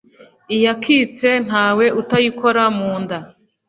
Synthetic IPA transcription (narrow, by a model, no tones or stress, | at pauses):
ijakʰit͡se̞n̥ɦaːwe̞utajiko̞ɾamuːnda